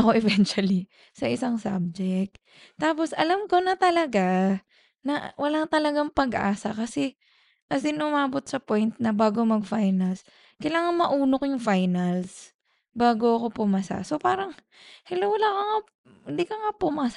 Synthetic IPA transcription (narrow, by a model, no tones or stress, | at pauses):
ɐkoʔɛvɛnt͡ʃwɐli | sɐʔɪsaŋsa̰b̚d͡ʒɛk̚t̪ | t̪aːpo̞sɐlamkonɐt̪ɐlɐɡa | nɐwɐlaŋt̪ɐlɐɡaŋpɐɡʔa̰ːsɐkɐsɛ | ʔɐsɪnʔʊmaːbo̞t̪̚sɐpo̞jnt̪̚nɐbaːɡomɐɡ̚fajnɐls | kɐjlaːŋɐŋmɐʔuːnokojʊŋfajnɐls | baːɡoɐko̞pʊmasa̰so̞paːɾɐŋ | hɛlowɐlaːkoŋa | hɪnd̪ikoŋapʊmas